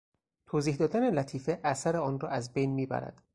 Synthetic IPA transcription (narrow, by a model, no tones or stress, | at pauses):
t̪ʰoːziːhd̪ɒːd̪ænelæt̪ʰiːfeʔæsæɾeɒːnrɒ̰ːæzbejnmiːbæ̰ɾæ̰d̪̥